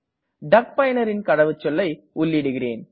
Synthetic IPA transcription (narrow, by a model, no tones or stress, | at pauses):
ɖɐk̚pɐjɐnɐɾɪnkɐɽɐʋɯt͡ʃːɔlːɐɪ | ʊlːɪɽɯɣɪreːn